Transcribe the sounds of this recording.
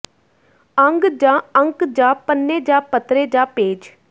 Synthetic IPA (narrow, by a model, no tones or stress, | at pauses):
əŋɡd͡ʒãːəŋkd͡ʒãːpənːeːd͡ʒaːpət̪ɾeːd͡ʒaːpeːd͡ʒ